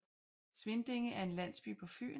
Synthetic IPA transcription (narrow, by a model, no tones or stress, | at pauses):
sʋe̝nd̥e̝ŋəʔæɐe̝nlæn̰sb̥y̰ːpʰɒ̽fy̰ː